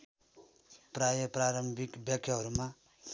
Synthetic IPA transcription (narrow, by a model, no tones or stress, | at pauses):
pɾajʌpɾaɾʌmbʱikbjʌkʰːjaɦʌɾuma